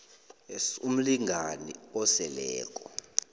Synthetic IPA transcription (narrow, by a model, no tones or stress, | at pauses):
esum̩liŋʱanḭɔsɛlɛːk̬ʼɔ